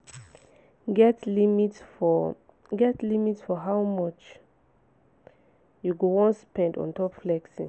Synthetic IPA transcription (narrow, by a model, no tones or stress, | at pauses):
ɡɛtlimit | ɡɛtlimitsfɔɦawmɔt͡ʃ | juɡowɔ̃nspɛ̃ndɔ̰̃ntʰɔpflɛksi